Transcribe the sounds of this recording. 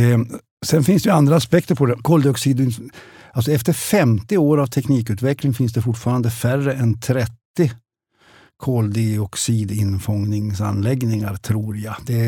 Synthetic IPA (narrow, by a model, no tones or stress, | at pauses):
sɛnfɪnsd̪ɛjʉand̪ɾaːspɛkt̪əɾpʰɔd̪ɛkʰɔːld̪ɪɔksiːd̪ɪnals̬ɔɛft̪əɾfɛmt̪ɪoːɾavt̪ʰɛkniːkʉːt̪vɛklɪŋfɪnsd̪ɛfʊʈːfɑːɾand̪əfærːəɛnt̪ʰɾɛt̪ːɪ | kʰoːld̪ɪɔksiːd̪ɪnfɔŋnɪŋsanlɛɡnɪŋaɾt̪ʰɾuːɾjad̪̥ɛ